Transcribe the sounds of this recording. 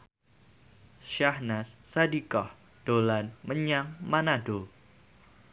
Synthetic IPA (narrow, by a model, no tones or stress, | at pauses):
ʃahnasːadikɔh | d̥olanməɲaŋmanaɖo